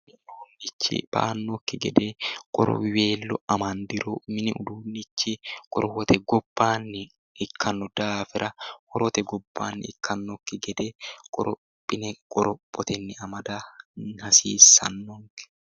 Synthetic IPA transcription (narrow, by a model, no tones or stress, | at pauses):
d̪uːnːɪt͡ʃːɪ̰b̥a̰ːnːɔkːɪɡɛd̪ekʼɔ̰ɾɔ̰we̞ːlːɔɐmɐnd̪ɪɾomɪnɪʔʊd̪uːnːɪt͡ʃːɪkʼɔɾɔwɔt̪ʰɛɡɔb̥ːaːnːɛ | ɪkʰːɐnːɔd̪̥aːfɪɾʔɐhɔɾɔt̪ɛɡɔbːa̰ːnːɛ̰ɪkʰːɐnːɔkːɪɡɛd̪ekʼɔ̰ɾɔ | pʼːɪnɛkʼɔɾɔpʼːɔt̪ɛnːɛɐmɐd̪ɐhɐsiːsːɐ̰nːɔŋkɛ̥